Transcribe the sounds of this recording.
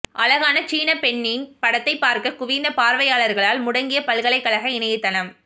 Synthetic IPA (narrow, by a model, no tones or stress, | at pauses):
ʔɐlɐɣaːnɐt͡ʃiːnɐpɛɳːɪnpɐɽɐt̪ːɐɪpːaːɾkɐkʊʋɪnd̪ɐpaːɾʋɐjaːɭɐɾɣɐɭaːlmʊɽɐŋɡɪjɐpɐɭɣɐɭɐɪkːɐɭɐɣɐɪnɐjɯt̪ːɐnɐm